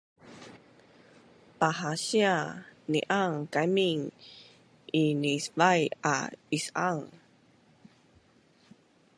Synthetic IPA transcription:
paɦaɕianḭʔaŋkamiŋ | ʔinisvaja̰isaŋ

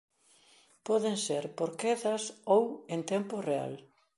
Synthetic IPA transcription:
pɔðeŋseɾpoɾkeθɐsowent̪ɛmporea̰l

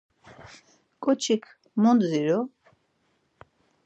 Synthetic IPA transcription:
kʼɔt͡ʃʰikʰ | mɔnd̪ziɾɔ

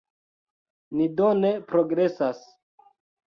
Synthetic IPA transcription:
nidonepɾoɡɾesas

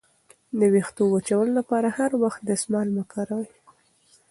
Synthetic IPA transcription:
d̪əwixt̪owat͡ʃawəlolapɑɾahaɾwaxt̪̚d̪əsmɑlmakɑɾawaj

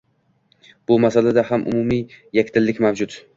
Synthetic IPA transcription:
b̥ʊmasalad̪ahamʔʊ̰mumijakʲt̪ʰɪlːɪkʲmawd͡ʒʊd̪

